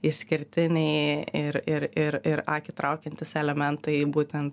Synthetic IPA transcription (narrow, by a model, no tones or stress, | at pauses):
ɪʃʲsʲkʲɪɾʲt̪ʲɪnʲɛɪɪɾɪɾɪɾɪɾɑkʲɪt̪ɾɐʊkʲɛnʲt̪ʲɪsɛlʲɛmʲɛnt̪ɐɪbuːt̪ʲɛnt̪